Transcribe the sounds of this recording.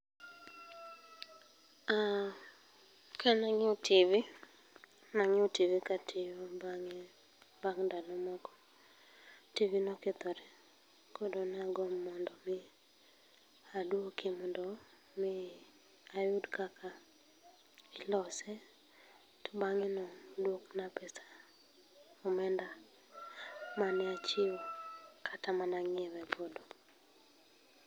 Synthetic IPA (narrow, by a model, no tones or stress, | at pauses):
a | kʰanaŋɪotʰivi | naŋɪotivikatʰɪjɔbaŋ | baŋdanɔmɔkɔ̥ | tivinɔket̪ɔɾɛ | kɔdɔnaɡɔmːɔndɔmɪ | adwokemɔndɔ | mɪ | ajʊdkakʰa | ɪlɔsɛ | tɔbaŋɪnɔdwoknapɛsḁ | ɔmɛnda | manɛat͡ʃiwkʰatamanaŋɛwɛbɔdo